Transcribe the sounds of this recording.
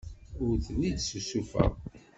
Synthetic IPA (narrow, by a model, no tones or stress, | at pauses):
ʊɾðnid̪ssufə̰ʁ